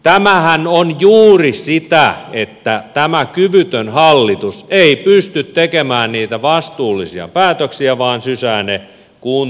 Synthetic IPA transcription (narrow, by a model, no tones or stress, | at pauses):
t̪æmæhænonjuːrisit̪æet̪ːæt̪æmækyʋyt̪ønhɑlːit̪useipyst̪yt̪t̪ekemæːnniːt̪æʋɑst̪uːlːisiɑ̰pæːt̪øksiæʋɑːnsysæːne | kuːn